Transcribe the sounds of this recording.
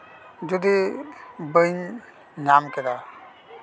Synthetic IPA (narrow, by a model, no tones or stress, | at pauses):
d͡ʒud̪i | bɯjnː | amkɛd̪a